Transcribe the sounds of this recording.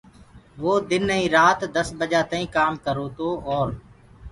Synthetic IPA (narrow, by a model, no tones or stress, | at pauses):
ʋoːd̪ɪnĩːɾaːt̪d̪əsbəd͡ʒaːt̪aːĩːkaːmkəɾoːt̪oːɔːɾ